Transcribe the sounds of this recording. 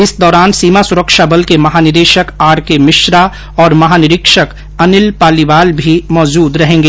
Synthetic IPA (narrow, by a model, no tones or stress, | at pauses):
ɪsd̪ɔːɾaːnsiːmasʊɾəkʃabəlkemɐɦaːnɪɾeːʃəkaːɾkemɪʃɾa | ɔːɾmɐɦaːnɪɾɪkʃək | ɐnɪlpaːlibaːlbʱimɔːd͡ʒuːd̪ɾɐɦẽːŋɡeː